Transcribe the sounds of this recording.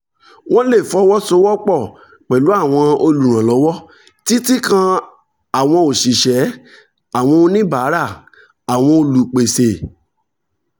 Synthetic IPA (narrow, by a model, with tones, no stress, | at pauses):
w̃ɔ̃˦le˦˨fɔ˦wɔ˦so˧˦wɔ˦k͡pɔ˦˨ | k͡pɛ˨lu˨˦a˦˨w̃ɔ̃˧o˧lu˨ɾ̃ã˨lɔ˨˦wɔ˦ | ti˦ti˦kã˧ | a˨w̃ɔ̃˧o˨ʃi˨ʃɛ˨˦ | a˨w̃ɔ̃˧o˧nĩ˦ba˨˦ɾa˦˨ | a˨w̃ɔ̃˧o˧lu˨k͡pe˨se˨